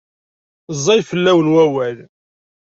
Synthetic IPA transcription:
zˤːɑjfəlːæwəlwæwæl

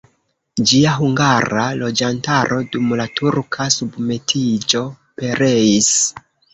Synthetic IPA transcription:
d͡ʒiaɦuŋɡaɾalo̞d͡ʒantaɾʔo̞dumlatʰuɾkʰasubme̞tʰid͡ʒo̞ | pe̞ɾeis

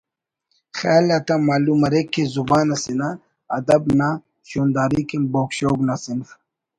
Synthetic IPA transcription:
xaːlɐt̪amaːlumɐɾekːezubaːnɐsina | ɐd̪ɐbna | ɕoːnd̪aːɾikemboːkɕoːɡnasinf

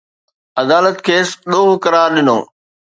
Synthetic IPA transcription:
ɐd̪aːlət̪kʰeːsɗoːɦʊkɐɾaːɾɗɪno̰ː

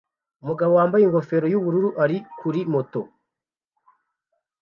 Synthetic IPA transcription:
umuɡaβowaːmbajeŋɡo̞fe̞ɾo̞juβuɾuɾuʔaɾikuɾimo̞to̞

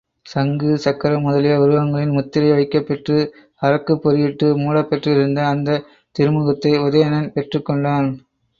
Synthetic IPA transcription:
sɐŋɡɯsɐkːɐɾɐmʊðɐlɪjɐʊɾɯʋɐŋɡɐɭɪnmʊt̪ːɪɾɐɪʋɐɪkːɐpːɛʈrɯ | ɐɾɐkːɯpːɔɾɯjɪʈːɯmuːɭɐpːɛʈrɯɾɯnd̪ɐːnd̪ɐ | t̪ɪɾɯmɯɣɐt̪ːɐɪɔðɐjɐnɐnpɛʈrɯkːɔɳɖaːn

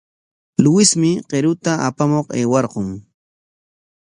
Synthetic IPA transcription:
lʊwɪsmɪqeɾʊt̪aapamoqeːwɑɾqʊŋ

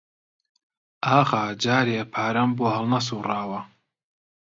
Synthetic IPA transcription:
aːxaːd͡ʒaːɾepʰaːɾɐmboːhɐlˠnɐs̬uːrɑːwɐ

